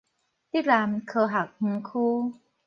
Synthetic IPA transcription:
t̪i˥˩laː˧mkʰɤː˧ɦa˨˩k̚hɯ˧˦ŋkʰuː˦˥˩

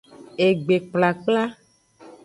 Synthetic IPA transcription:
e˨ɡ͡be˨k͡pla˨k͡pla˦

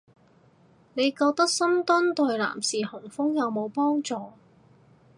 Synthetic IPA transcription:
ne˨˧jkɔː˧k̚t̪ɐ˥k̚sɐ˥mt̪ɔ˥nt̪ɔ˨˧jla̰ː˨˩msiː˨hʊ˨˩ŋfʊ˥ŋjɐ˨˧wmo˨˧wpɔː˥ŋt͡sɔː˨˧

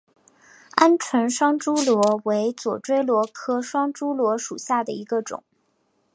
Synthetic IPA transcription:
a˥nʈ͡ʂʰwə˧˥nʂwɑ˥ŋʈ͡ʂu˥lwɔ˧˥we˧˥ɪt͡swɔ˨˩ʈ͡ʂwe˥ɪlwɔ˧˥kʰɤ˥ʂwɑ˥ŋʈ͡ʂu˥lwɔ˧˥ʂu˨˩ɕja˥˩d̪ə̰˩i˧˥ɡə˧ʈ͡ʂʊ̰˨˩˦ŋ

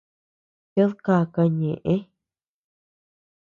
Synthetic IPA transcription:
jo˦ðka˧˨ka˧ɲẽ˨ʔẽ˦

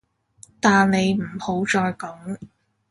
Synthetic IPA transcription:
t̪aː˨nne˨˧jm̩˨˩ho˨˥wt͡ʃɔː˨jkɐ˨˥ŋ

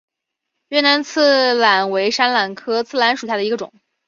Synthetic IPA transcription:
ɥɛ˥˩na˧˥nt͡sʰɹ̩˥˩la˨˩nwe˧˥ɪʂa˥nla˨˩nkʰɤ˥t͡sʰɹ̩˥˩la˧˥nʂu˨˩ɕja˥˩d̪ə˧i˧˥ɡə˧ʈ͡ʂʊ̰˨˩˦ŋ

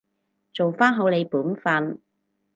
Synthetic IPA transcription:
t͡so˨wfaː˥nɦo˨˧wle˨˧jpuː˨˥nfɐ˧n

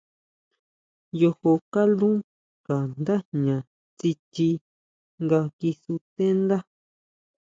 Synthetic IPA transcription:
jo˧ho˧ka˦lũ˦ | ka˨nd̪a˦ɲã˨ | t͡si˧t͡ʃi˧ | ŋɡa˧ki˧su˧t̪e˦nd̪a˦

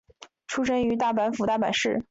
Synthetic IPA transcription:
ʈ͡ʂʰu˥ʂə˥ny˧˥t̪̬a˥˩pa˧˥nfu˧˥t̪a˥˩pa̰˨˩nʂɻ̩˥˩

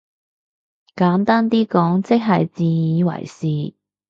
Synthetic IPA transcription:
kaː˨˥nt̪aː˥nt̪̬iː˥kɔː˨˥ŋt͡sɪ˥k̚ɦɐ˨jt͡siː˨jiː˨˧wɐ̰˨˩jsiː˨

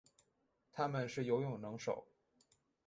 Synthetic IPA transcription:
t̪ʰa˥mə˨nʂɻ̩˥˩jo˧˥ʊjʊ˨˩ŋnɤ˧˥ŋʂo̰˨˩˦ʊ

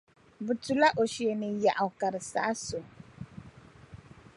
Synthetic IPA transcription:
bɨ˨tu˨la˦ʔo˨ʃi˨e˨nɨ˨ja˨ʔa˨ka˨ɾɨ˨sa̰˦so˨

